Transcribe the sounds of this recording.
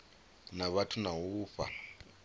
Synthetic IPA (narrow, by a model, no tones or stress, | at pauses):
naβatʰunaɦuːfa̰